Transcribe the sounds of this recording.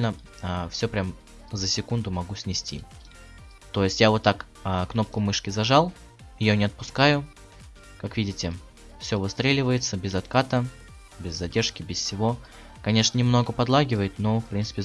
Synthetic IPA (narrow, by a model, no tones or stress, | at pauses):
lʲnə | əfsʲopɾʲam | zəsʲɪkund̪ʊmɐɡusʲnʲɪsʲtʲḭ | t̪o̞jɪsʲtʲjavo̞t̪ːak | əkno̞p̚kʊmɨʂkʲɪzɐʐalˠ | ɪjonʲɪɐt̪̚pʊskajʊ | kakvʲidʲɪtʲɪ | fsʲovɨst̪ɾʲelʲɪvəjɪt̪səbʲɪzɐt̪kat̪ə | bʲɪzːɐdʲe̞rʂkʲɪbʲɪssʲɪvo̞ | kɐnʲeʂnənʲɪmno̞ɡəpɐd̪lˠaɡʲɪvəjɪt̪nofpɾʲint̪pʲɪ